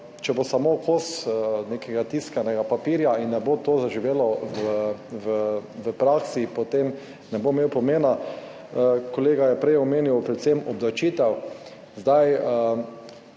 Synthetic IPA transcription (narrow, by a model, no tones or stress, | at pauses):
t͡ʃɛbosamokʰosnekʰɛɡat̪iskanɛɡapapiɾjainːɛbot̪ozaʒiʋeːlɔʋəʋəʋəpɾaksipot̪em | nɛbomewpɔmeːna | koleːɡajɛpɾɛjɔmeːnjiwpɾɛt̪semɔbd̪awt͡ʃiːt̪ɛw | zd̪ajə